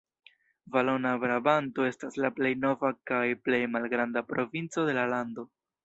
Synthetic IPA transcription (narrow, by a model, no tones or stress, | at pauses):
valo̞nabɾabanto̞e̞staslaple̞jno̞vakajple̞jmalɡɾandapɾo̞vint͡so̞de̞lalando̞